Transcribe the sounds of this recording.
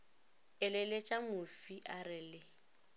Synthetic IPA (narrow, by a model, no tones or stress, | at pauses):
ɪlɪlet͡ʃʼamʊfiʔarɪlɪ